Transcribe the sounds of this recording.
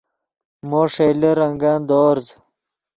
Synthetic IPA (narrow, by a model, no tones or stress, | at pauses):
moːʂejlɐɾɐŋɡaːnd̪oːɾz